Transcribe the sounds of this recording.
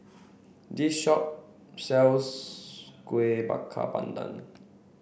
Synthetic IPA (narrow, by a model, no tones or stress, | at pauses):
diʃɔp̚ | sɛls | kweba̰kʰːa̰ba̰nd̪a̰n